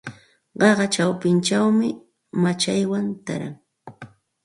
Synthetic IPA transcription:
ɢɑɢɑt͡ʃawpɪnt͡ʃawmɪ | mat͡ʃajwant̪a̰ɾa̰ŋ

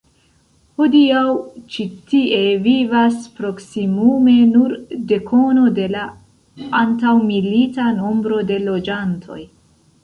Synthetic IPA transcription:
ho̞diawt͡ʃitie̞vivaspɾo̞ksimume̞nuɾde̞kʰo̞no̞de̞la | antawmilitano̞mbɾo̞de̞lo̞d͡ʒantʰo̞̰j

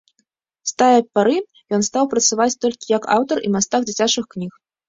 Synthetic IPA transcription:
st̪ajɐpaɾɨ | jɔnst̪awpɾɐt̪savat͡sʲt̪ɔlʲkʲijɐka̰wt̪ɐrʔḭmast̪aɣd͡zʲit͡sʲat͡ʂɨxknʲix

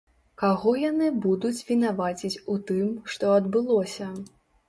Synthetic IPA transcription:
kaɣɔjanɨbud̪ut͡sʲvʲinavat͡sʲit͡sʲut̪ɨmʂt̪ɔɐd̪bɨlˠɔsʲɐ

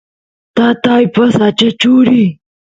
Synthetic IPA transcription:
t̪aːt̪aːjpɐsaːt͡ʃɐt͡ʃuːɾi

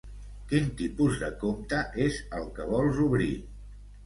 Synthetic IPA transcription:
kint̪ipuzðə̰komt̪əʔezəlˠkəβɔlˠzuβɾi

